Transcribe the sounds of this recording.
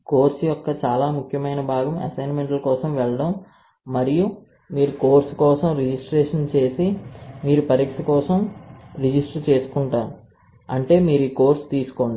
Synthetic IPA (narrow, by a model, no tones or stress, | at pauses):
ko̞ːɾsjɔkːɐt͡ʃaːlaːmukʰjɐmɐjnɐbʱaːɡɐmɐ̰sɐjnmeɳʈlɐkɔːsɐmʋɛɭɐɽɐmː | ɐɾiju | miːɾukoːɾskɔːsɐmɾid͡ʒisʈɾeːʂɐnt͡ʃe̞ːsimiːɾupɐɾiːkʂɐkɔːsɐmɾid͡ʒisʈɾt͡ʃe̞ːsu̥kuɳʈaːɾu | ɐɳʈe̞ːmiːɾuiːko̞ːɾst̪iːsu̥koɳɖi